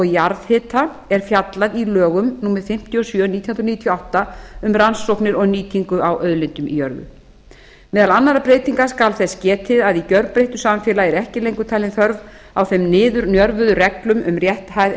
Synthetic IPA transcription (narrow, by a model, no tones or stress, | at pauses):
ɔɣjaɾðhɪːt̪a | ɛɾ̥fjat̪laðilœːɣʏmnuːmɛðfɪm̥t̪ʰiɔsjœːniːt̪ʰjhnɾniːt̪ʰjɔawht̪aʏmransːowknɪɾɔɣniːt̪ʰiŋkʏawʔœðlɪnt̪ʏmḭjœɾðʏ̰ | mɛːðalanːaɾapɾeːjt̪iŋkaskalθɛscɛːt̪ʰɪðaðicœɾpɾeht̪ʏsamfjɛːlaɛɾɛhcɪlejŋkʏt̪ʰajlɪnθœɾv | awθɛmnɪːðʏɾnjœɾvʏðʏrɛklʏmʔʏ̰mrjɛht̪hajð